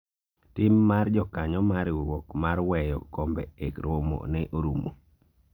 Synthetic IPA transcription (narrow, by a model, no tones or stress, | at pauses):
tɪmːard͡ʒɔkaɲɔmaɾwwokmaɾwɛjɔ̰kombɛekɾomo̰nɛʔoɾumo̰